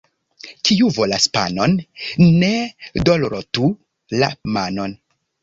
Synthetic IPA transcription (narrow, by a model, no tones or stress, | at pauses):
kʰiuvolaspa̰nonnedolɾotu | la̰mano̞n